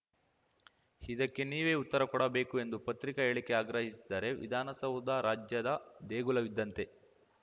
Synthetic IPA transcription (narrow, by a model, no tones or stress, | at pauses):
hid̪ɐkːe̞niːʋeːut̪ːɐɾɐkɔɽɐbeːkue̞nd̪upɐt̪ɾikɐɦeːɭikːe̞aːɡɾɐɦisi̥d̪aːɾe̞ʋḭd̪ʱaːnɐsɐwd̪aːɾaːd͡ʒjɐd̪ɐd̪eːɡulɐʋid̪ːɐnt̪e̞